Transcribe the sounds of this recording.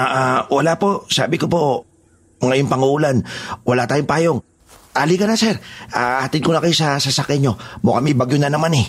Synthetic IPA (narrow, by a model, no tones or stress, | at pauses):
ʔaʔawɐlapo̞sa̰ːbɪkopo̞ | ŋɐjoŋpɐŋʊʔuːlanwɐlat̪aːjompaːjoŋ | ʔalikɐnɐsɛɾʔaʔaːt̪ɪn̚konɐkɐjosɐsɐsakɛɲːo̞mokɐmɪbaɡjonɐnɐmanɛ